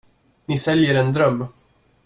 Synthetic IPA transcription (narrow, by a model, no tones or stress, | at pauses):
nɪsɛljəɾɛnd̪ɾœmː